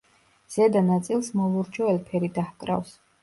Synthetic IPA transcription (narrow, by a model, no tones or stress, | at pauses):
z̥ɛd̪anat̪sʼilˠsmɔluɾd͡ʒɔɛlpʰɛɾid̪ahkʼɾa̰ws